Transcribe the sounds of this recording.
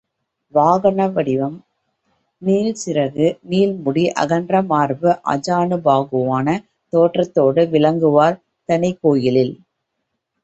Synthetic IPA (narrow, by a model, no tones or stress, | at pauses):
ʋaːɣɐnɐʋɐɽɪʋɐm | niːlsɪɾɐɣɯniːlmʊɽiʔɐ̰ɣɐndrɐmaːɾbɯʔɐ̰d͡ʒaːnɯbaːɣɯʋaːnɐ | t̪oːʈrɐt̪ːoːɽɯʋɪlɐŋɡɯʋaːɾ | t̪ɐnɐɪkːoːjɪlɪl